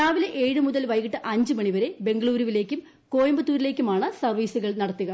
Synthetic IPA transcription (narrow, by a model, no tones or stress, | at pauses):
aːʋileʔeːɻɨmuðɐlʋɐjɣiʈːɨʔɐɲd͡ʑɨmɐɳiʋɐɾe̞be̞ŋɡɐɭuːɾuʋile̞ːkʲːum | ko̞ːjɐmbɐt̪ːuːɾile̞ːkʲːumaːɳɨsɐrʋiːsuɣɐɭnɐɽɐt̪ːuɣɐ